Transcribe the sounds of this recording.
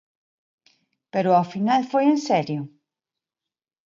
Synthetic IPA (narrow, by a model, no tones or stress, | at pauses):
peɾoafinalfojensɛɾju